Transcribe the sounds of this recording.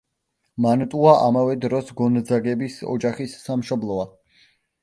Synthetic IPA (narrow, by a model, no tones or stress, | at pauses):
mant̪ʼuaʔa̰mavɛd̪ɾɔsɡɔnd̪zaɡɛbisɔ̰d͡ʒaχisːamʃɔblˠɔa